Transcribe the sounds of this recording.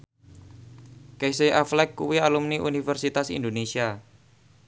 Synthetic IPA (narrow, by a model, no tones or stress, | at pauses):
keseʔaflɛkːuwialumniʔṵnifərsit̪asḭnd̪onesia